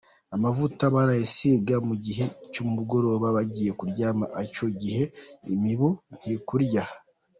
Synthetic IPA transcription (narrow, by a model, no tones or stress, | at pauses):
amavutaβaɾajisiɡamuɟiɦe̞cumuɡo̞ɾo̞βaβaɟije̞kuɾɟaːmaʔaco̞ɟihe̞imiβon̥hikuɾɟa